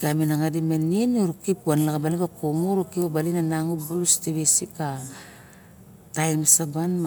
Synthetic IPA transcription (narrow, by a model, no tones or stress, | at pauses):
ɡaminaŋadimeninuɾukipuanlaɡabalikakomuɾukiobalinanaŋubulusteβesika | tajmsabanm